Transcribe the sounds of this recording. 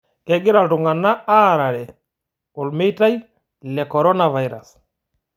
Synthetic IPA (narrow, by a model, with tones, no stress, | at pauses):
kɛɡɪ˦ɾa˨ltʊ˨ŋa˨na˦a˦ɾaɾɛ˨ | ʊ˨lme˦jta˦j | lɛkɔɾɔ˦nava˨jɾa˨s